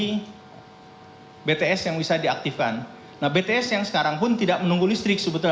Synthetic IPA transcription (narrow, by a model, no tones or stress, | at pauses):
i | bet̪eɛsjaŋbisadiak̚t̪ifkanː | ahbet̪eɛsjaŋsə̥kaɾaŋpʊnt̪idak̚mənuŋɡulist̪ɾɪksəbət̪u